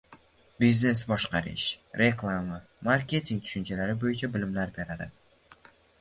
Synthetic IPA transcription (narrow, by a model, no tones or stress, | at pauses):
bizne̞sbɒʃqɑɾɪ̰ʃɾe̞klˠama | maɾkʲe̞t̪ʰiŋt̪ʰʊ̥ʃʊnt͡ʃʰalaɾɪbojɪt͡ʃʰabɪlɪmlaɾbe̞ɾad̪ɪ̰